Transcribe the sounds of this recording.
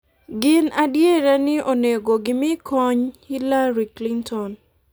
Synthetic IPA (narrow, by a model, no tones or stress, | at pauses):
ɡɪnadjeɾanɪʔoneɡoɡɪmɪkʰɔɲhilaɾiklintʰɔn